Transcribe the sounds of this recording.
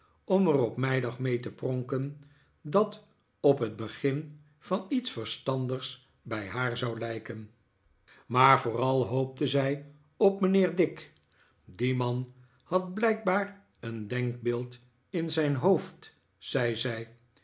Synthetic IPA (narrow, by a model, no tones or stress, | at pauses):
ɔmərɔpmɛjdɑχmejtəprɔŋkən | dɑt | ɔpɦəd̚bəχɪn | vɑnitsfəɹstɑndəχs | bɛjɦaːɹzɑwlɛjkən | maːɹvʊːrɑlˠɦowp̚təzɛj | ɔpmənɪːɹdɪk | dimɑn | hɑt̚blɛjk̚baːɹ | əndɛŋk̚bɪːlˠt | ɪnzɛjnɦowft | z̥ɛjzɛj